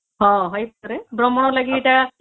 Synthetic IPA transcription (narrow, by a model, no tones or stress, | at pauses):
ɦɔ̃ɦɔjpaɾɛbɹɔmɔnɔlaɡietia